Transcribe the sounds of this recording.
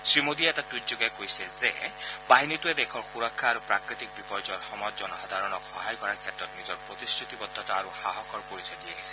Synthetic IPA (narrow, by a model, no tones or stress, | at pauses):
sɹimod̪iɛtatujtzoɡajkojsɛzebaɦinit̪ued̪ɛkʰɔɹxuɹɔkʰːaːɾupɹakɹit̪ik̚bipɔjd͡ʒɔɹxɔmɔjzɔnɔxad̪ʱaɹɔnɔkxɔɦajkɔɹaɹkʰjɛtɹɔtnizɔɹpɹot̪istɹit̪ibɔd̪ʱːɔtaaɾuxaɦɔkʰɔɹpoɹisadiaɦisɛ̥